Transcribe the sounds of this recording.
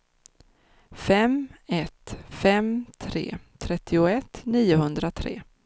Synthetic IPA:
fɛmɛt̪fɛmt̪ʰɾḛːt̪ʰɾɛt̪ʰːɪʊɛt̪niːʊhɵnd̪ɾat̪ʰɾḛː

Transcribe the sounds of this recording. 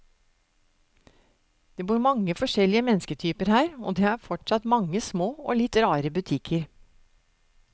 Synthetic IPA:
d̪̥eːbuːɾmɑŋəfɔʂɛlɪəmɛnskət̪ʰyːpəɾhæːɾo̰ːd̪eːæɾfɔʈsɑt̪mɑŋːəsmoːo̰ːlɪt̪ɾɑːɾəbʉt̪ʰɪkʰəɾ

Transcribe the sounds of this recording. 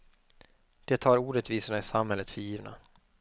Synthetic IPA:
d̪̥ɛt̪ʰɑːɾuːɾɛt̪viːsʊɳaɪsamɦɛlːət̪fœɾjiːvna̰

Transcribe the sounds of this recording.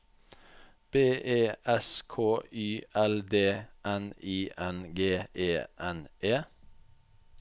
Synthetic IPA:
b̥eːʔeːʔɛskʰoːʔyːʔɛld̪eːʔæniːʔænɡeːʔeːʔɛnʔeː

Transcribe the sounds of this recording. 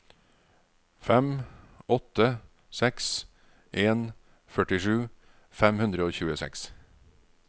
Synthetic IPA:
fɛm | ɔt̪ə | sɛks | ʔeːn | fœʈɪʂʉː | fɛmhʉnd̪ɾəoːçʉːəsɛ̰ks

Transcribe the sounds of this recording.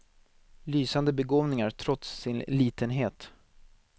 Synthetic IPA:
lyːsand̪əbɛɡoːvnɪŋaɾt̪ʰɾɔt̪sːɪnliːt̪ənɦeːt̪

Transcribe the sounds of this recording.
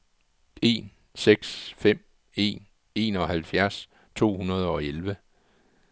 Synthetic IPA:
e̝̰ːn | seɡ̥sfem̰ | e̝̰ːn | e̝̰ːnɒ̽hælfjæɐs | t͡sʰo̝̰ːhunɐð̞ˠɒ̽elʋə

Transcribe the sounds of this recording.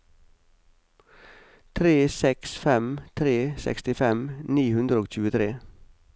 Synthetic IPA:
t̪ʰɾeːsɛksfɛmt̪ʰɾeːsɛ̰kst̪ɪfɛmniːhʉnd̪ɾəoːc͡çʉːət̪ʰɾeː

